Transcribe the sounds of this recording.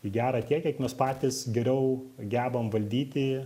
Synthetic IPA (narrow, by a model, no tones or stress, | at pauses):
ɪɡʲæːɾɐt̪ʲiɛkʲɛkmʲɛspɑːt̪ʲɪsɡʲɛɾʲɛʊ | ɡʲæːbɐmʋɐlʲd̪ʲiːt̪ʲɪ